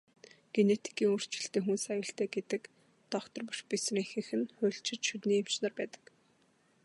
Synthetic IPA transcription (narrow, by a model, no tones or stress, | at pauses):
ɡ̥enet̪ʰi̥kiːŋɵr̥t͡ɕɪ̥̆ɬt̪eːxunsæjʊːɬt̪æːɡet̪ɘ̆k | t̪ɔkt̪ʰɞ̆rpɔʃpisriːŋxɘ̆xɘ̆nχʊ̟ːɬʃɪ̆t͡ɕʃɵt̪niːem̥t͡ɕnaːrpæːt̪ə̥̆k